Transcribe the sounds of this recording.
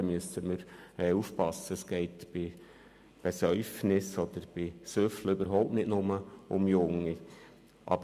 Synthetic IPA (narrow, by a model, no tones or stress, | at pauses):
myəsəməɾɛːuːfpɑsəəsɡ̥ɛɪtb̥ɪ | b̥ɛsœʏfnɪsɔd̪̥əɾb̥ɪsøfləøbəɾɦɔʊp̚tnɪtnʊməʊmjʊŋːi | ʔɑ̰b